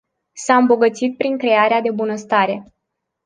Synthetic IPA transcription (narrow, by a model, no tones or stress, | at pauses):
saɨmbo̞ɡət̪sit̪̚pɾiŋkɾe̞aɾead̪e̞bunəst̪aɾe̞